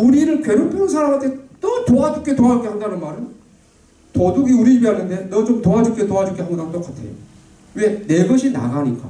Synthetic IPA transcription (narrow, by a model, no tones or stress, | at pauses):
uɾiɾɯɭkwe̞ɾopʰoɯns̬ʰaɾamatʰet͈ʌtoad͡ʑuk͈etoad͡ʑuk͈ehandanɯnmaɾɯn | toduɡiuɾiibiɦanːɯnde̞nʌt͡ɕomtoad͡ʑuk͈etoad͡ʑuk͈eɦandat͈ok͈atʰe̞̰jo̰ | we̞ne̞ɡʌɕʰina̰ɡaɲik͈a̰